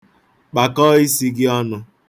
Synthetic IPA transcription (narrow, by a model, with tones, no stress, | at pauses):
k͡pa˨kɔ˦i˦si˦ɡɪ˦ɔ˦nʊ˦